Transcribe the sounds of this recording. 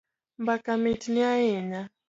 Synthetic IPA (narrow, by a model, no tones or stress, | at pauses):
mbakamitiniajɛɲa